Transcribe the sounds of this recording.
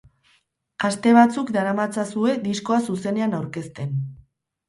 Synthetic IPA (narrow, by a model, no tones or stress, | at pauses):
ast̪e̞β̞at͡sukd̪aɾamat͡sasue̞d̪isko̞asuse̞ne̞anawɾke̞st̪e̞n